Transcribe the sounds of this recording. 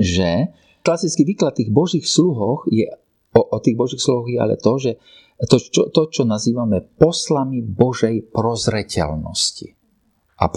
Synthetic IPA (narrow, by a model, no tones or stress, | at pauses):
ʒɛ | klasit͡skiʋiːklat̪ːiːɣbɔʒiːxsluɦɔxjɛ | ɔʔɔt̪iːɣbɔʒiːxsluɦɔɣjɛa̰lɛ̰t̪ɔʒɛ | t̪ɔt͡ʃɔt̪ɔt͡ʃɔnaziːʋamɛpɔslamibɔʒɛjpɾɔzɾɛcɛ̰lnɔ̰scḭ | ʔa̰